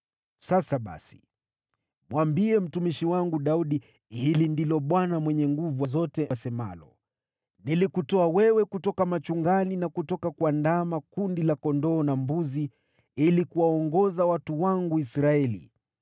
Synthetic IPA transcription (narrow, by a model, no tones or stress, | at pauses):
sasaɓa̰si̥ | mwambiɛm̩tumiʃiwaŋɡuɗauɗi | hilindilɔɓwanamwɛɲɛŋɡuvuwazɔtɛsɛma̰lɔ̰ | nilikutɔawɛwɛkutɔkamat͡ʃuŋɡaninakutɔkakwandamakundilakɔndɔːnambuzi | ilikuwaɔŋɡɔzawatuwaŋɡuisɾaɛlḭ